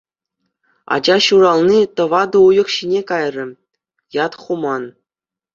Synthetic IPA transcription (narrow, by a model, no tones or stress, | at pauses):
ɑ̰d͡ʑɑɕuɾɑlˠnʲit̪ɤ̆ʋɑd̪ɤ̆ujɤ̆χɕinʲekɑjrʲɘ̆ | jɑt̪χumɑn